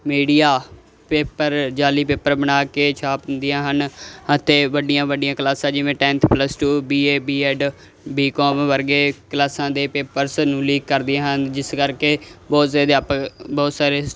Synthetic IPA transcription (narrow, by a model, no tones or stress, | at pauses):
miːɖijaː | peːpəɾd͡ʒaːliːpeːpəɾbənaːkeːt͡ʃʰaːpnd̪ɪjãːɦənət̪eːʋəɖɪjãːʋəɖɪjãːklaːsãːd͡ʒɪʋẽːʈɛ̃ːnt̪ʰpləsʈuːbiːeːbiːɛːɖ | biːkɔːmʋəɾɡeːkəlaːsãːd̪eːpeːpəɾsnũːliːkːəɾd̪ɪãːɦənd͡ʒɪskəɾkeːbɔːt̪saːd̪eːpːbɔːt̪saːɾeː